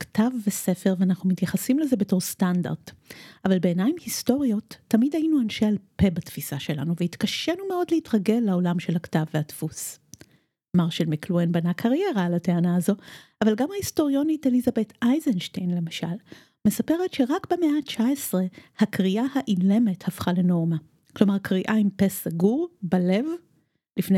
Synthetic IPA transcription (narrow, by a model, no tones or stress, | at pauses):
ktʰavːese̞fe̞ʁveanaχnumitjaχasimleze̞be̞to̞ʁstanda̰ʁd̥avalbe̞ːnajmhisto̞ʁio̞tʰːamidhainuanʃe̞alpe̞batfisaʃe̞la̰nuveitkaʃenumeo̞dleitʁaɡe̞lːao̞lamʃe̞lhaktavːehatfus | maʁʃelmikluenbanakʰaʁje̞ʁaːlate̞anaːzo̞avalɡamhahistoʁijo̞nitelizabe̞tʰajzenʃtejnle̞maʃa̰l | me̞sape̞ʁetʃe̞ʁakbemeat͡ʃaesʁe̞hakʁiʔahaʔile̞me̞thafχale̞no̞ʁma | klo̞maʁkʁiʔaimpe̞saɡuʁbale̞v | lifne